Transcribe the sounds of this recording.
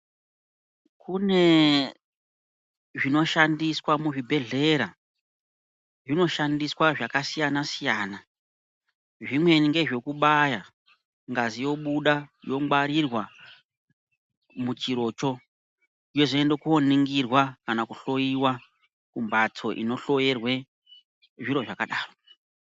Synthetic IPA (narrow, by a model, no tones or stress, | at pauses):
kʰune̞ | ʐino̞ʃandiswamuʐibʱe̞ɮe̞ɾa | ʐino̞ʃandiswaʐakasijanasijaːna | ʐimwe̞niŋɡe̞ʐe̞kuɓaja | ŋɡazijo̞ɓuɗajo̞ŋɡ͡bwaɾirwa | mut͡ʃiɾo̞t͡ʃo̞ | ijo̞ʐoendekuoneŋɡirwakanakuɬo̞jiwa | kumbat͡sʰo̞ʔḭno̞ɬo̞jerwe̞ | ʐiɾo̞ʐakaɗaːro